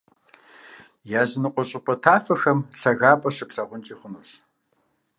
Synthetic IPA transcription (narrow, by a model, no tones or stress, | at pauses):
jaːzɨnɨqʷʼɔɕʼɪpʰʼɐtʰaːfɐxɐmɬɐɣaːpʼɐɕɪpɬɐʁʷʊnt͡ʃʼiːχʷʊnuːɕ